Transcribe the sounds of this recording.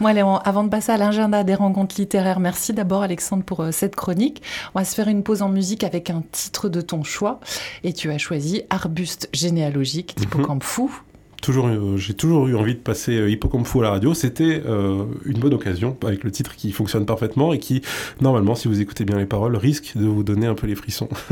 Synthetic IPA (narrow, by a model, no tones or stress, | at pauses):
mwalɛɑ̃ʔavɑ̃d̪əpasealɛ̃ʒɛ̃d̪ad̪eʁɑ̃kɔ̃t̪χlit̪eʁɛʁmɛʁsid̪abɔʁalɛksɑ̃d̪ʁpuʁsɛt̪kχɔnikɔ̃vasə̥fɛʁynpozɑ̃myzikavɛkɛ̃t̪ʰi̥t̪χəd̪ət̪ɔ̃ʃwaet̪ʰyaʃwaziaʁbyst̪ʒenealɔʒik̪ipɔkɑ̃pfu | t̪ʰuʒuʁʒet̪uʒuʁyɑ̃vid̪əpaseøipɔkɔ̃mpfualaʁad̪joset̪ɛøynbɔnɔkazjɔ̃avɛklət̪it̪χkʲifɔ̃ksjɔnpaʁfɛt̪mɑ̃ekʲʰinɔʁmalmɑ̃sivuzeku̥t̪ebjɛ̃lepaʁɔlʁiskd̪əvud̪ɔneɛ̃pølefχisɔ̰̃